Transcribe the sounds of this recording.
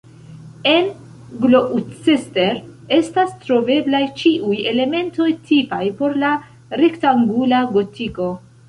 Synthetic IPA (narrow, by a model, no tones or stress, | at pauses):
e̞n | ɡlo̞ʔut͡seste̞ɾe̞stastɾo̞ve̞blajt͡ʃiʔuje̞le̞me̞nto̞jtʰipajpo̞ɾla | ɾe̞ktaŋɡulaɡo̞tiko̞